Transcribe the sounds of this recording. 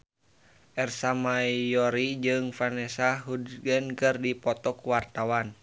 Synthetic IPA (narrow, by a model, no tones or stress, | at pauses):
ʔɛrsamaiɔɾid͡ʒɨŋfanɛsaɦudɡɛnkɨrdipɔt̪ɔkuwart̪awan